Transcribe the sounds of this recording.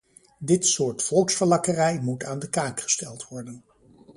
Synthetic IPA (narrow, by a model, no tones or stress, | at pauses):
dɪtsʊːɹtfɔlˠksfəlɑkərɛjmutaːndəkaːkχə̥stɛlˠtʋɔɹdən